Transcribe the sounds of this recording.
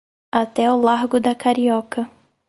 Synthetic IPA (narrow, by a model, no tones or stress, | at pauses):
at̪ɛʊlaɾɡʊd̪ɐkaɾiɔkɐ